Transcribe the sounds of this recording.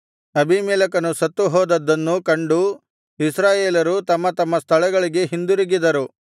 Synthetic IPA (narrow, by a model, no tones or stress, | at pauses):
ɐbimɛːlɐkɐnusɐt̪ːuɦɔːd̪ɐd̪ːɐnːukɐɳɖu | isɾaːjeːlɐɾut̪ɐmːɐt̪ɐmːɐst̪ʰɐɭɛɡɐɭiɡe̞ɦind̪uɾiɡid̪ɐɾu